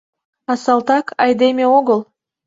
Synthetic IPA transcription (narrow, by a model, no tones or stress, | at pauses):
ɑsɑlˠt̪ɑkʰɑjd̪emʲeoɣəl